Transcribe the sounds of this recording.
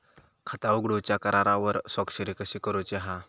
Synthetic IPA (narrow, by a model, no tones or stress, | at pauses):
kʰət̪auɡɽot͡ɕjakəɾaɾaʋəɾsɔkɕəɾikəɕiːkəɾot͡ɕeɦa